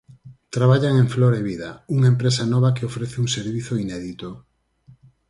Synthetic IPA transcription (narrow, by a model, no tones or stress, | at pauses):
t̪ɾaβaʎaŋeŋfloɾeβiðɐuŋaempɾesanɔβɐkɪofɾeθɪuŋseɾβiθoinɛðit̪o